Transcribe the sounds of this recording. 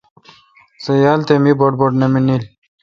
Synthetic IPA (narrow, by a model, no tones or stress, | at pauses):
sɐjaːlt̪emiboʈ̚boʈnɐminil